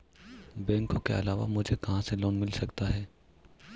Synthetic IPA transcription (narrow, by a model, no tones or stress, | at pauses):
bɛ̃ːŋkõkḛɐlaːʋa̰mʊd͡ʒʱekɐɦãselɔːnmɪlsɐkt̪aɦɛː